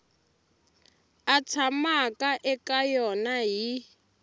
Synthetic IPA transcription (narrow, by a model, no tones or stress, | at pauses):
at͡sʰamakaʔɛkajɔnaɦi